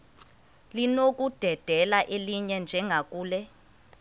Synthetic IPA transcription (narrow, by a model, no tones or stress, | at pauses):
linok̬ʼud̥ʱɛd̥ʱɛlaʔeliɲɛnd͡ʒʱɛŋɡʱakʼuːlɛ